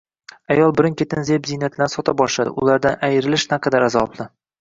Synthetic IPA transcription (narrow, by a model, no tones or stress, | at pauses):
ajɒlˠbɪɾɪnkʲʰet̪ɪnzebzijnat̪ʰlansɒt̪ʰabɒʃlad̪ɪ̰ʊ̰lˠaɾd̪anʔajɪɾɪlɪʃnaqʰɑd̪aɾazɒblˠɪ